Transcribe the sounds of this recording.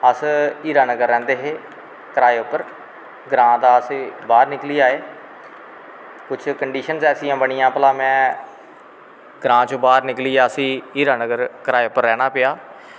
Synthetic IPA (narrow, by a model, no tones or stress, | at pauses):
əsiːɾaːnəɡəɾːɛ̃ːnd̪eːɦeː | kəɾaːeːʊpːəɾ | ɡɾãːd̪aːəsbaːɾnɪkliːaːeː | kʊt͡ʃʰkəɳɖiːʃənzɛːsijãːbəɽ̃ɪjãːpəlaːmɛ̃ː | ɡɾãːt͡ʃobaːɾnɪkliːaːəsĩːiːɾaːnəɡəɾkəɾaːeːʊpːəɾːɛːñaːpeaː